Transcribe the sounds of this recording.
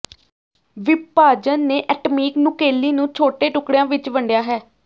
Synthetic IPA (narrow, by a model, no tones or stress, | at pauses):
ʋɪpaːd͡ʒənːeːʔɛːʈmiːknʊkeːlːiːnũːt͡ʃʰoːʈeːʈʊkɽejãːʋɪt͡ʃʋəɳɖjaːɦɛː